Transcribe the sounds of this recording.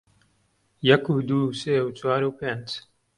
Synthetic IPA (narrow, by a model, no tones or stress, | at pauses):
jɐkuːd̪uːseːwt͡ʃwaːɾuːpeːnd͡ʒ